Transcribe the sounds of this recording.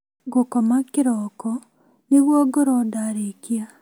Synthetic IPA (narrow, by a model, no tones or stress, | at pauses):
ɡokɔmakɪɾɔːkɔ | neɣwɔɡoɾɔdaɾekia